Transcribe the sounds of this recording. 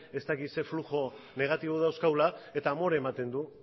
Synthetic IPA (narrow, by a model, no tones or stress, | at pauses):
e̞st̪akit̪se̞fluʝo̞ | ne̞ɣ̞at̪iβ̞oðawskawlae̞t̪aːmo̞ɾaemat̪e̞nd̪u